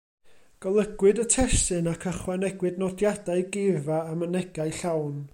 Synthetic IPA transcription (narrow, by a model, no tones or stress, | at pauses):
ɡ̥əlˠəɡwɨdətʰɛsɨnakʰəχwɛnɛɡwɨdnɔdjadaɨɡɪvaːmənɛɡaɨɬawn